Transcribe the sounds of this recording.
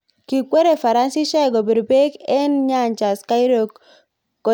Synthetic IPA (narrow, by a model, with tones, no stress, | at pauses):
ki˨kʷwe˦ɾe˨fa˨ɾa˦nsi˦ʃa˦˨ɡo˨bi˨ɾbe˦kɛ˦nɲa˦˨ɲt͡ʃa˨ska˦jɾo˨kː | o˨